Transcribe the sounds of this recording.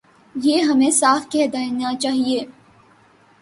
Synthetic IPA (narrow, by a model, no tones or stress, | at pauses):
jeːɦɐmẽsaːfkɛɦd̪anat͡ʃaːɦieː